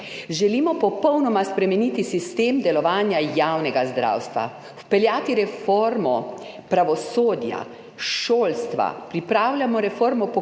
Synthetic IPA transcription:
ʒɛlimɔpɔpɔwnɔmaspɾɛmɛniːt̪isist̪eːmd̪ɛlɔʋaːnjajaːwnɛɡazd̪ɾa̰ːwst̪ʋa̰ | wpɛljaːt̪iɾɛfoɾmɔ | pɾaʋɔsoːd̪ja̰ | ʃoːlst̪ʋa̰pɾipɾaːwlʲjamɔɾɛfoːɾmɔpɔ

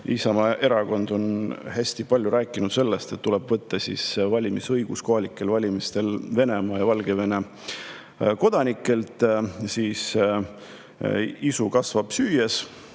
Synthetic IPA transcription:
isɑmɑʔe̞ɾɑko̞nd̪o̞nhæsʲt̪ipɑlʲjuɾæːkːˑinut̪se̞lːe̞st̪t̪ːule̞b̥vɤt̪ːɑsḭsvɑlʲimisɤjɡ̥usko̞ɦɑlikːˑe̞lvɑlʲimist̪e̞lve̞ne̞mɑːjɑvɑlɡe̞ve̞ne̞ | ko̞d̪̥ɑnikːˑe̞lt̪ˑsiːs | isukɑsvɑb̥syːjes

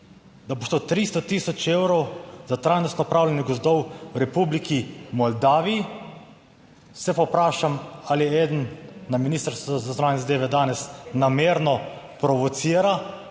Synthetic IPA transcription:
d̪abost̪ot̪ɾist̪ɔt̪isɔt͡ʃewɾɔwzat̪ɾaːjnɔst̪nɔːpɾaːwlanjɛɡɔzd̪ɔwwɾɛpublikʰimɔld̪aːʋii | sɛpɔpɾaːʃamaliɛeːd̪ənːaminist̪əɾst̪ʋɔzazɔnaːnjɛzad̪eːʋɛd̪aːnɛsnameːɾnɔ | pɾɔʋɔt̪siːɾa

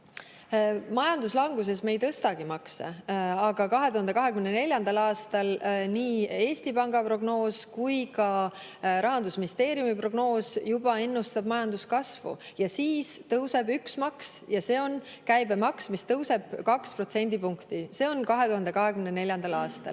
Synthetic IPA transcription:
mɑjɑnd̪uslɑŋɡ̥us̬e̞sme̞jt̪ɤst̪ɑɡ̥imɑksḛɑɡ̥ɑkɑɦe̞t̪uhɑnd̪ekɑɦe̞kymnene̞lʲjɑnd̪̥ɑlɑːst̪ɑlniːe̞ːsʲt̪ipɑŋɡɑpro̞ɡ̥no̞ːskujkɑ | ɾɑɦɑnd̪̥usminʲist̪eːɾjumipro̞ɡ̥no̞ːsjub̥ɑe̞nːust̪ɑb̥mɑjɑnd̪̥uskɑsvṵjɑsiːst̪ɤwse̞byksmɑksjɑse̞ːo̞n | kæjbemɑksmist̪ɤwse̞b̥kɑkspro̞t̪se̞nʲd̪̥ipuŋkt̪ise̞o̞nkɑɦe̞t̪uɦɑnd̪e̞kɑɦe̞kymnene̞lʲjɑnd̪̥ɑlɑːst̪ɑ̰l

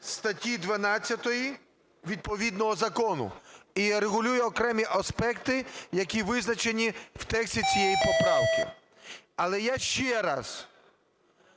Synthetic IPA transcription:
st̪ɐtʲid̪ʋɐnɑt͡sʲːɐt̪ɔji | ʋʲid̪̚pɔʋʲid̪nɔɦɔzɐkɔnʊ̰iɾeɣʊlʲujɛɔkɾɛmʲiʔɐspɛkt̪ɪjɐkʲiʋɪznɐt͡ʃenʲiwt̪ɛksʲtʲit͡sʲijɛjipɔpɾɑwkɪ | ɐlˠɛjaʃt͡ʃɛɾɑs

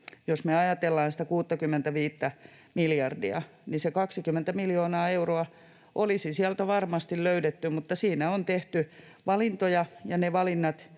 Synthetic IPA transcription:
josmeɑjɑt̪elːɑːnsi̥t̪ækuːt̪ːɑkymːent̪æʋiːt̪ːæ | miljɑrdiɑ̰ | nisekɑksikymːent̪æmiljoːnɑːeuroɑ | ʔolisisiælt̪æʋɑrmɑst̪illøydet̪ːymut̪ːɑsiːnæont̪eht̪y | ʋɑlint̪ojɑjɑneʋɑlinːɑt̪

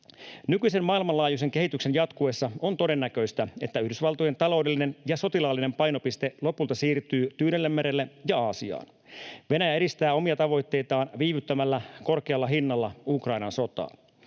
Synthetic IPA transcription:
nykyise̞mmɑːilmɑnlɑːjus̬e̞ŋk̟e̞ɦit̪ykse̞njɑt̪kueːsːɑo̞nt̪o̞de̞nːækø̞ist̪æe̞̰t̪ːæyhdysʋɑlt̪oje̞nt̪ɑlo̞wde̞lːinenjɑso̞t̪ilɑːlːine̞mpɑjno̞pist̪e̞lo̞pult̪ɑsiːrt̪yːt̪yːnelːemːeɾelːejɑɑːsiɑ̰ːn | ʋe̞næjæeɾist̪æːo̞miɑt̪ɑʋo̞jt̪ːe̞jt̪ɑːnʋiːʋyt̪ːæmælːæko̞rke̞ɑlːɑɦinːɑlːɑukrɑjnɑnso̞t̪ɑ̰ː

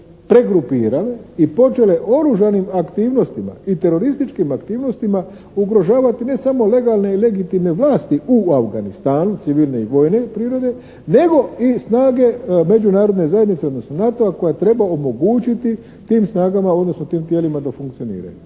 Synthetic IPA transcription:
pɾe̞ɡɾupiːɾale̞ipo̞t͡ʃe̞le̞ʔo̞ɾuʒanimakt̪iːʋno̞st̪ima̰it̪e̞ɾo̞ɾist̪it͡ʃkimakt̪iːʋno̞st̪ima | uɡɾo̞ʒaːʋat̪ine̞samo̞le̞ɡalˠne̞ile̞ɡit̪imne̞ʋlaːst̪iuafɡanist̪aːnut̪siʋilˠne̞iʋo̞jne̞pɾiːɾo̞d̪e̞ | ne̞ɡo̞isnaːɡe̞me̞d͡ʑunaːɾod̪ne̞zaje̞d̪nit̪seod̪no̞sno̞nat̪o̞ako̞jat̪ɾe̞bao̞mo̞ɡuːt͡ʃit̪i | t̪iːmsnaːɡamao̞d̪no̞sno̞t̪iːmt̪jelimad̪afuŋkt̪sio̞nḭːɾa̰ju

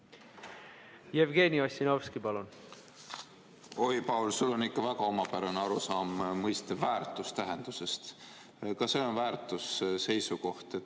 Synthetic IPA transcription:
jevɡe̞ːniosʲinovskipɑlun | o̞jpɑwlsulːo̞nikːɑvækɑo̞mɑpæɾɑneɑɾusɑːmːɤjst̪evæːrt̪ˑust̪æɦend̪̥use̞st̪ | kɑse̞o̞nvæːrt̪ˑusse̞jsuko̞ht̪e

